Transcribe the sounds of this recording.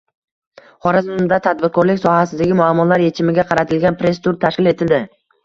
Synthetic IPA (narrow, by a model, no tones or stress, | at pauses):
χɒɾazʊd̪at̪ʰad̪̚bɪɾkʰɒɾlɪkʲsɒhasɪzaɡʲɪmʊamːɒlaɾje̞t͡ʃʰɪmɪɡʲaqʰɑɾat̪ʰɪlɡʲanpɾe̞st̪ʰʊɾt̪ʰaʃkʲɪle̞t̪ʰɪld̪ɪ